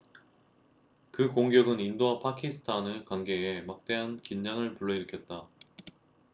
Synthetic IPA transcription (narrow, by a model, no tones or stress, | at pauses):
kɯkoŋɡjʌɡɯnindoapʰakʰisʰɯ̥tʰanɯkwanɡe̞ːmak̚t͈e̞ɦankind͡ʑaŋɯɭpuɭːʌiɾɯkʰjʌt̚t͈a